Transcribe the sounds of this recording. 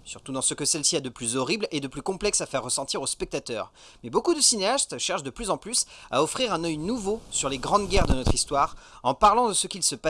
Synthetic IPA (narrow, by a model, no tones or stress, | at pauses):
syʁt̪ud̪ɑ̃səkəsɛlsiɛd̪əplyzɔʁibled̪əplykɔ̃plɛksafɛʁːəsɑ̃t̪iʁospɛk̚t̪at̪œːʁ | mɛbokud̪əsineast̪ʃɛʁʃd̪əplyzɑ̃plysa̰ɔfχiʁɛ̃nœjnuvosyʁleɡʁɑ̃d̪ɡʲɛʁd̪ənɔt̪χist̪waːʁɑ̃paʁlɑ̃d̪əsəkʲilsəpa